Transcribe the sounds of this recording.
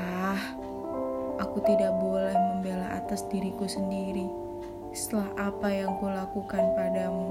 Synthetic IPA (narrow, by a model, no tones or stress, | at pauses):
ah | ʔakut̪idak̚bolɛhməmbelaʔa̰t̪asdiɾikusəndiɾi | ssə̥t̪əlaɦapajaŋkulakukanpadamu